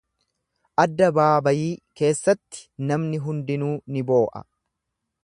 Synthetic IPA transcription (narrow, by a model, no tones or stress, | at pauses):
ʔɐd̪ːɐbaːbɐjiːke̞ːsːɐt̪ːɪ̥nɐmnɪɦʊnd̪ɪnuːnɪbo̞ːʔɐ̰